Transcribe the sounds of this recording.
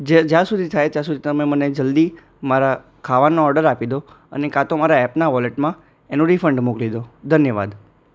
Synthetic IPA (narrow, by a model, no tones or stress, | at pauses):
d͡ʒed͡ʒjãsud̪ʱit̪ʰajt̪jãsud̪ʱit̪əmẽməned͡ʒəld̪i | maɾa | kʰaʋanːoɔɾɖəɾapid̪o | ə̰nekat̪omaɾaɛpnaʋɔleʈmã | enoɾifəɳɖmuklid̪od̪ʱənjəʋa̰d̪